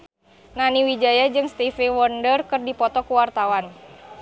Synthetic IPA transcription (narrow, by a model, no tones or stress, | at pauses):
naniwid͡ʒajad͡ʒɨŋst̪ifiwɔndərkɨrdipɔt̪ɔkuwart̪awan